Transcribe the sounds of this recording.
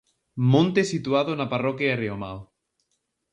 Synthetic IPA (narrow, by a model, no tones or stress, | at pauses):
mõnt̪esit̪uaðonaparɔkjaereoma̰l